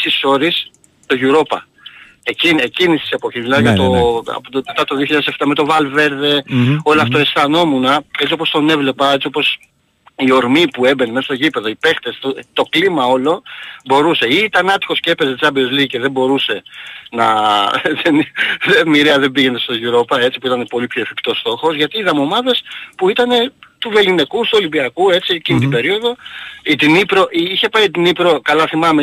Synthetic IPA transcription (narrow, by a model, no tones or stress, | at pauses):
siso̞ɾis | t̪o̞ʝuɾo̞pɐ̰ | ecinecinist̪i̥se̞po̞çizmilɐðjt̪oɐ̰pome̞t̪ɐt̪oðioçiʎɐðeseft̪ɐme̞t̪o̞vɐlve̞ɾðe̞o̞loɐft̪o̞esθɐno̞munɐe̞t͡sio̞post̪one̞vle̞pɐe̞t͡sio̞po̞s | io̞ɾmipuebe̞nemest̪oʝipe̞ðo̞ipe̞xt̪e̞st̪ot̪o̞klimɐo̞lo̞bo̞ɾuse̞it̪ɐnɐt̪i̥xo̞scepe̞ze̞t͡sɐbio̞zliice̞ðe̞bo̞ɾuse̞nɐðenðemiɾeɐðe̞biʝe̞ne̞st̪o̞ʝuɾo̞pɐe̞t͡si̥puit̪ɐne̞po̞lipçoe̞fipt̪o̞st̪o̞xo̞zʝɐt̪iːðɐmo̞mɐðe̞spuit̪ɐne̞t̪uve̞line̞kust̪uo̞libiɐkue̞t͡siecinit̪ibe̞ɾio̞ðo̞it̪inipɾo̞ʔiiçe̞pɐjt̪inipɾo̞kɐlɐθimɐme